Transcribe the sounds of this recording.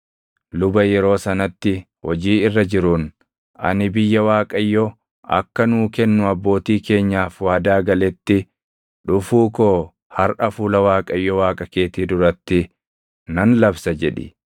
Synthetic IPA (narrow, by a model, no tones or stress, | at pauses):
lʊbɐjɛɾo̞ːsɐnɐt̪ːɪ | wɔd͡ʒiːɪrːɐd͡ʒɪɾʊn | ʔɐ̰nɪbɪjːɐwaːkʼɐjːɔ | ɐ̰kːɐnuːkɛnːʊɐbːo̞ːt̪iːke̞ːɲːaːfwaːd̪aːɡɐlɛt̪ːɪ | ᶑʊfuːkoː | hɐɾʔɐfuːlɐwaːkʼɐjːɔwaːkʼɐke̞ːt̪iːd̪ʊɾɐt̪ːɪ | nɐnlɐbsɐd͡ʒɛᶑɪ̰